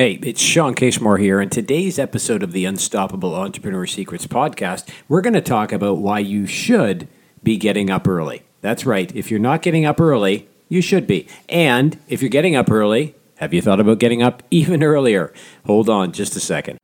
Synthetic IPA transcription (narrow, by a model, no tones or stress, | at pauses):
heɪɨtsʃɑ̃nkʰeɪsmɔɹhiɹɨ̃ntʰɨdeɪzɛpɨsoʊɾʌvðiɨ̃nstɑpəbl̩ˠɑ̃nt͡ʃɹ̥ə̥pɹɨnəɹsikɹɨtspʰɑd̚kʰæst̚wɪɹɡʌnɨtʰɔkɨbaʊʔ̚waɪjɨʃʊd | biɡɛɾɪ̃ŋʌpɜ˞lˠḭ | ðætsɹaɪɾɨfjə˞nət̚ɡ̥ɛɾɪ̃ŋʌpɜ˞lˠi | jɨʃɨd̚biʔɨ̃nɨfjə˞ɡɛɾɪ̃ŋʌpɜ˞lˠi | hɨvjɨθɔɾəbaʊt̚ɡ̥ɛɾɪ̃ŋʌpivɨ̃nɜ˞lˠiə˞hoʊlˠdn̩d͡ʒʌstɨsɛ̰kɨ̃nd̥̚